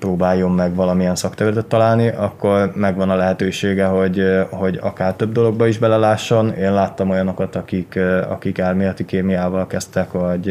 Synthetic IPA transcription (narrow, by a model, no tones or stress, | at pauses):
proːbaːjo̞mːɛɡvɒlɒmiɛnsɒkt̪ɛvyɛt̪ɛt̪ːɒlaːlniʔɒkːo̞rmɛɡʋɒnɒlɛɦɛt̪øːʃeːɡɛɦo̞ɟho̞ɟɒ̰kaːrt̪øb̚d̪o̞lo̞ɡ̚bɒiʒbɛlɛlaːʃːo̞neːnlaːt̪ːɒmo̞jɒno̞kɒt̪ɒkikɒ̰kikaːrmijɒt̪ːikeːmiaːvɒlkɛst̪ɛkʋɒɟ